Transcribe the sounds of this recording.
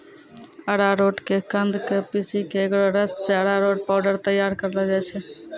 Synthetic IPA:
əɽaɾoʈkekənd̪ʱkepisikeːkɾoɾəsːeəɽaɾoʈ̚paʊɖəɾt̪əjaɾkəɾlɛd͡ʒajt͡ʃʰɛ

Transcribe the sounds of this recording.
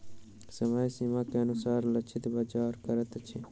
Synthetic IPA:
sɐmaːjsimaːkeɐnusaːɾlɐt͡ʃʰɪt̪baːd͡ʒaːɾkɐɾət̪ɐt͡ʃʰi

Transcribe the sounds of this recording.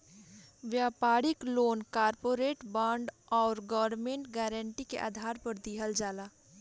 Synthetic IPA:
ʋjaːpaːɾɪkloːnkaːɾpoːɾeːʈbãːɳɖɔːɾɡɔʋəɾnmẽːɳʈɡɛːɾəɳʈikḛʔa̰ːd̪ʱaːɾpəɾd̪iɦəld͡ʒaːlaː

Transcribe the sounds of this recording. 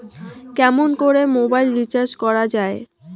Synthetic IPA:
kɛmonkoɾemobajlːit͡ɕaɾʃkɔɾad͡ʑae

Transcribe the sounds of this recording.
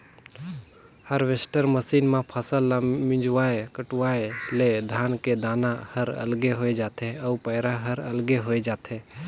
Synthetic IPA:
həɾʋesʈəɾməsiːnmẽpʰəsəlːamɪ̃d͡ʒwaːekəʈuwaeled̪ʱaːnked̪aːnahəɾə̰lɡeɦoed͡ʒaːt̪ʰeəupəɦɾaɦəɾə̰lɡeɦoed͡ʒaːt̪ʰe

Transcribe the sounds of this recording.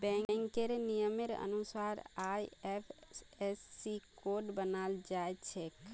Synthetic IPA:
bɛ̃ŋkeɾnijəmeɾə̰nusaɾajepʰesːikoɾɖbənald͡ʒajt̪t͡ʃʰek

